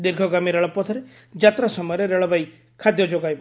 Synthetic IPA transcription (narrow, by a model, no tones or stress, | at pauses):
d̪iɾɡʱɔɡamiɾeɭɔpɔt̪ʰɔɾe | d͡ʒat̪ɾasɔmɔjɔɾeɾeɭɔbaj | kʰad̪jɔd͡ʒoɡajbɔ